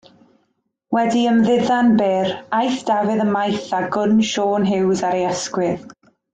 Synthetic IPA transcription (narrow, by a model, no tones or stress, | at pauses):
wɛdiəmðɪðanbeːɾajθd̥avɪðəmajθaɡʊnʃoːnɦɪwzaɾejaskwɪð